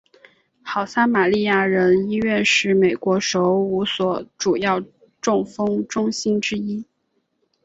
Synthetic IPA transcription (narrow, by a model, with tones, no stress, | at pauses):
xɑ˨˩ʊsa˥ma˨˩li˥˧ja˥˩ɻə˧˥ni˥ɥɛ˥˧nʂɻ̩˥˩me˨˩ɪkwɔ˧˥ʂo˧˥ʊu˧˥swɔ˨˥ʈ͡ʂu˨˩jɑ˥˩ʊ | ʈ͡ʂʊ˥˩ŋfɤ˥ŋʈ͡ʂʊ˥ŋɕi˥nʈ͡ʂɻ̩˥i˥